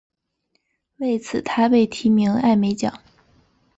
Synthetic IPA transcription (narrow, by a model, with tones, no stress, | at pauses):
we˥˩ɪt͡sʰɹ̩˨˩t̪ʰa˥pe˥˩ɪt̪ʰi˧˥mi˧˥ŋa˥˩ɪme˧˥ɪt͡ɕjɑ̰˨˩˦ŋ